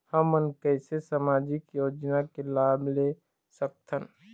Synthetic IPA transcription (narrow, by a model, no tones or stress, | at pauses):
həmːənkəɪsesamaːd͡ʒɪkjoːd͡ʒnakelaːble | sək̚t̪ʰən